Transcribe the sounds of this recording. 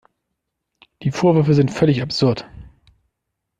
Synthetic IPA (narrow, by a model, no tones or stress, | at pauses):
d̥iːfoːɐvʏɐfəzɪntfœlɪçapz̥ʊɐt